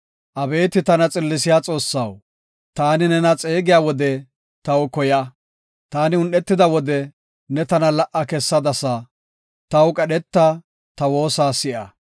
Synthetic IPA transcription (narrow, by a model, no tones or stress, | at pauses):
ʔɐbe̞ːt̪ɪt̪ɐnɐt͡sʼɪlːɪsɪjaːt͡sʼo̞ːsːɐw | t̪aːnɪnɛnɐt͡sʼeːɡɪjaːwɔd̪ɛ | t̪ɐwʊkɔjɐ | t̪aːnɪʊnʔɛt̪ːɪd̪ɐwɔd̪ɛ | nɛt̪ɐnɐlɐʔɐkɛsːɐd̪ɐsɐ | t̪ɐwkʼɐɗɛt̪ːa | t̪ɐwo̞ːsaːsɪʔɐ